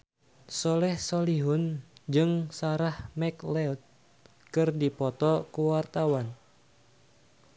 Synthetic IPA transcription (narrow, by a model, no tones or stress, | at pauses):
sɔlɛhsɔliɦʊnd͡ʒɨŋsaɾahmɛklɛt̪̚ | kɨrdipɔt̪ɔkuwart̪awan